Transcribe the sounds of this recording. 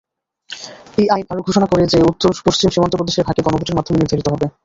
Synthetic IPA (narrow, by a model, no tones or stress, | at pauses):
ejajnaɾoɡʱoʃonakoɾed͡ʑeut̪ːoɾpoʃt͡ɕimʃimant̪opɾod̪eʃeɾbʱakeɡɔnoboɾʈeɾmad̪ʱomeniɾd̪ʱaɾit̪oɦɔbe